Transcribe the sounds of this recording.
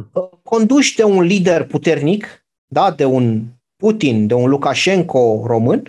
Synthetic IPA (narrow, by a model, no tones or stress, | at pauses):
əko̞nd̪ut͡ʃʲt̪eunlid̪e̞rput̪e̞rnik | d̪ad̪e̞un | put̪ind̪e̞unlukaʃe̞ŋko̞ro̞mɨn